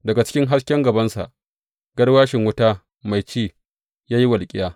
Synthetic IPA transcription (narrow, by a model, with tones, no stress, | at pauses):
dɐ˨ɡa˨t͡ʃɪ̥˦kʲɪ˦ŋɦa˦skʲɛ˦ŋɡɐ˨bɐ˦nsa̰˨ʔ | ɡ̥ɐ˦ɽwaː˦ʃɪ˨ŋwʊ˦taː˦ | ma˨jt͡ʃiː˦˨ | jaː˦ji˦wɐ˨lkʲʼɪ˦jaː˦